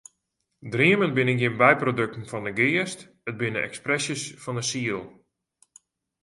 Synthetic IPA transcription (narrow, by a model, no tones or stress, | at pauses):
driəmənbɪnəɡɪmbɛjprodɵk̚tn̩fɔndəɡɪəst | ət̚bɪnəʔɛ̰ksprɛsjəsfɔndəsiəlˠ